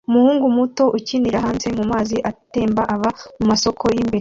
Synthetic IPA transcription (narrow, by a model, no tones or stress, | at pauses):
umuhuːŋɡumuto̞ʔuciniɾaɦaːmze̞mumaːziʔate̞ːmbaʔaβamumaso̞kʰo̞jiːmbe̞ɾ